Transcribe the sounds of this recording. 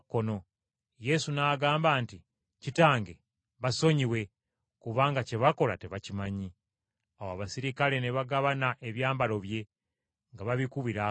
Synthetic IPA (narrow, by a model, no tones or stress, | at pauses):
kːo̞no̞ | je̞sunaːɡaːmbaːnti | citaːŋɡe̞ | βaso̞ɲiwe̞ | kuβaːŋɡace̞βako̞la̰te̞βacimaɲi | awaβasiɾikale̞ne̞βaɡaβanaʔe̞βjaːmbalo̞βje̞ | ŋɡaβaβikuβiɾa